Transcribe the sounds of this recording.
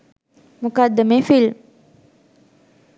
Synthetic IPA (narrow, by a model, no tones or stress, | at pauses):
mukad̪əmefil